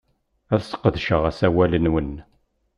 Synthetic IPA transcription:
æθsə̥qːəðʃəʁæsæwælənwən

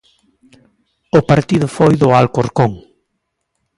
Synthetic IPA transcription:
opaɾt̪iðʊfojðʊalkoɾkoŋ

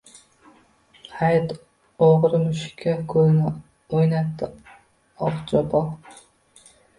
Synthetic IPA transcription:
hajt̪ | oʁɾɪmʊʃkʲʰːakʰɵznɪ | ojnat̪ʰːɪ | ɒqt͡ʃʰɒbɒ

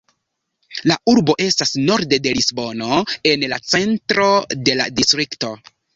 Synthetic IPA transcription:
lauɾbo̞ʔe̞stasno̞ɾde̞de̞lisbo̞no̞e̞nlat͡se̞ntɾo̞de̞la̰distɾikto̞

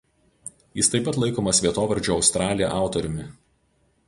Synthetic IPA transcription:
jɪst̪ɐɪpːɐt̪lˠɐɪkoːmɐsʋʲiɛt̪oːʋɐɾʲd͡ʒʲoːɒʊst̪ɾɑːlʲɪjɛ̰ʔɑˑʊt̪ɔɾʲʊmʲɪ

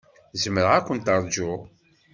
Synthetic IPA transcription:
zəməɾækʷənt̪ɑɾˤd͡ʒʊ

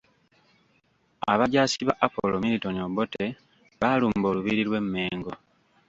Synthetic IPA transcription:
a̰βaɟaːsiβaʔapo̰lo̞miɾito̞niobo̞te̞ | βaluːmbo̞ːluβiɾilwe̞mːe̞ːŋɡo̞

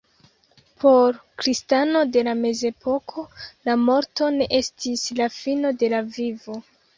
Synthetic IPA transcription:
pʰo̞ɾkɾistano̞de̞lame̞ze̞pʰo̞kʰo̞lamo̞ɾto̞ne̞ʔe̞stislafino̞de̞lavivo̞

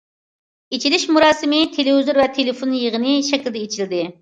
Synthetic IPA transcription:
et͡ʃʰilɪʃmuɾɑːsɨmɪt̪ʰelevizuɾvɛt̪ʰelɪfonjəʁənɪʃɛkʲld̪ɛet͡ʃʰild̪ɪ

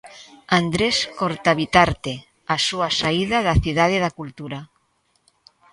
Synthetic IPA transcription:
and̪ɾeskoɾt̪aβit̪aɾt̪e | asuasaiðaðaθiðað̞eðakult̪uɾa

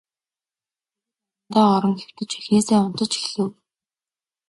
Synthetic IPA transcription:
t̪ɔːɾə̆ŋxew̥t̪ɘ̆t͡ɕæxneːseːʊn̥t̪ə̆t͡ɕi̥xɮɘ̆w

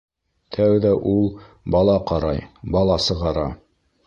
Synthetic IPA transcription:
t̪ʰæwðæʔulˠ | bɑlˠɑqɑɾɑjbɑlˠɑsɤ̆ʁɑɾɑ

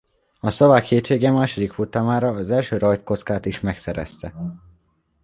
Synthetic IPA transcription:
ɒsovaːkheːt̪ʋeːɡɛmːaːʃo̞d̪ikfut̪aːmaːɾɒːzɛlʃøːɾɒjt̪̚ko̞t̪skaːt̪iʃmɛksɛɾɛ̰st̪ɛ

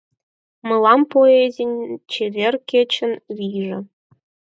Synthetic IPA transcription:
mɤ̆lˠɑmpoezʲenʲt͡ɕevʲerkʲet͡ɕɘ̆nʋʲiʐɘ̆

